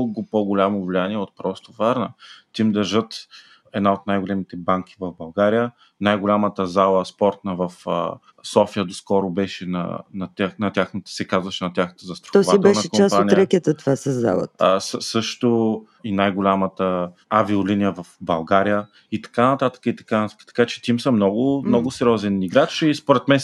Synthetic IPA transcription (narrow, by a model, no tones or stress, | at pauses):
ɡopoɡʊlʲamovlijaniɛot̪̚pɾɔst̪ovaɾnə̰t̪ʲimd̪ɐɾʒɤt̪ | ɛd̪naot̪najɡolɛmit̪ɛbaŋkʲi̥vɐvbɐlˠɡaɾijə | najɡʊlʲamət̪əzalˠəspɔɾt̪nəvɐfə̰ | sɔfijəd̪oskɔɾʊbɛʃɛnɐ̰nɐt̪ʲanɐt̪ʲjaxnət̪ə̥sɛkazvɐʃɛnɐtʲaxnət̪əzɐst̪ɾo̥t̪ɔvait̪bɛnɐʃɛkot͡ʃmaspaonijɾɛkʲjət̪ət̪ovasɐzːa̰lˠə̰t̪səsɤʃt̪o | inajɡʊlʲamət̪əaviʊlinijəvɐfbɐlˠɡaɾijə | it̪ɐ̥kanɐt̪at̪ə̥kəit̪ɐ̥kanɐt̪akt̪ɐ̥kat͡ʃɛ̥t̪ʲimsəmnɔɡʊmnɔɡʊsɛɾʲiɔzɛniɡɾat͡ʃispʊɾɛt̪mɛn